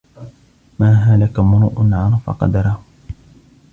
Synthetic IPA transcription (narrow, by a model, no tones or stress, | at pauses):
maːɦaːlakamʊɾuːʔnʕanfɑ̰qɑ̰d̪ɑɾˤɑh